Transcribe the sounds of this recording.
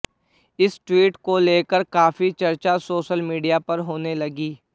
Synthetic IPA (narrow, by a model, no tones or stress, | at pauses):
ɪsʈwiːʈkoleːkəɾkaːfit͡ʃɐɾt͡ʃasoːʃəlmiːɖijapɐɾɦoːnelɐɡiː